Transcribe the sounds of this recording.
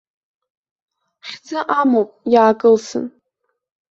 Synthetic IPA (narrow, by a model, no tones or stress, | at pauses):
χʲd͡zaʔamopʼjaːkʼɨlsɨ̰n